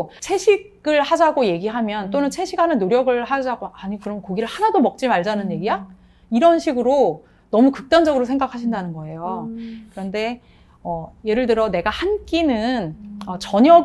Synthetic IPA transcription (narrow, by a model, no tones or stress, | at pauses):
t͡ɕʰe̞ɕʰiɡ | ɯɭhad͡ʑaɡoje̞ɡiɦamjʌnt͈onɯnt͡ɕʰe̞ɕʰikhanɯnːoɾjʌɡɯɭhad͡ʑaɡoaɲikɯɾʌnkoɡiɾɯɭhanadomʌk̚t͡ɕ͈imaɭd͡ʑanɯnje̞ɡia | iɾʌnɕʰiɡɯɾo | nʌmukɯk̚t͈and͡ʑʌɡɯɾosʰe̞ŋɡakʰaɕʰindanɯnɡʌe̞jokɯɾʌnde̞ | ʌje̞ɾɯɭtɯɾʌne̞ɡahank͈inɯnʌt͡ɕʌɲjʌ